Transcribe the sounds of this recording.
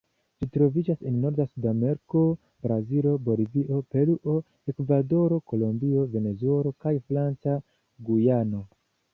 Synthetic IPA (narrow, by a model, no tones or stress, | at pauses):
d͡ʒitɾo̞vid͡ʒasenːo̞ɾdasudameɾko̞ | b̥ɾazilo̞bo̞liviʔo̞pe̞luʔo̞ | ekvado̞ɾo̞ko̞lo̞mbio̞ve̞ne̞zue̞lo̞kajfɾant͡sa | ɡujano̞